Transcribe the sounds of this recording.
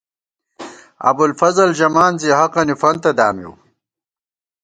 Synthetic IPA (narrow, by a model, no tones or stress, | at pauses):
ɐ̰bulfɐzɐld͡ʑɐmaːnziɦɐqɐnifɐnt̪ɐd̪aːmḭw